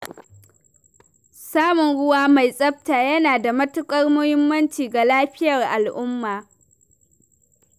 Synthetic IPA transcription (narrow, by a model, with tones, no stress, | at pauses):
saː˦mʊ˨nɽʊ˦waː˦ma˨jsʼɐ˦p̚taː˨jɐ˦naː˨da˨mɐ˦tʊ˦kʼɐ˦rmʊ˦hɪ˦mːɐ˦nt͡ʃiː˨ɡa˨laː˦ɸɪ˦jɐ˨rʔa˨lʔʊ˦mːaː˨